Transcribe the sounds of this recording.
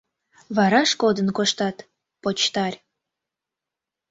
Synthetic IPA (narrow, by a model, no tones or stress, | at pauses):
βɑɾɑʃkod̪ənkoʃt̪ɑt̪ | pot͡ɕt̪ɑrʲ